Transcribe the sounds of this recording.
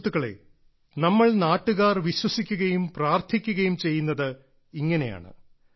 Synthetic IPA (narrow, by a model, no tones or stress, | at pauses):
t̪ːuɣɐɭe̞̰ | nɐmːɐɭnaːʈːuɣaːrʋiɕwɐsikʲːuɣɐjumpraːrt̪ʰikʲːuɣɐjumt͡ɕe̞jːunːɐðɨ | iŋːɐne̞ja̰ːɳɨ̰